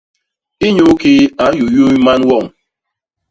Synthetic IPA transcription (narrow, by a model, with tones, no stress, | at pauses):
i˦ɲo˦ke˦a˨˦n̩˦jo˨ju˦ma˦n̩˦wɔ˦˨ŋ̩˨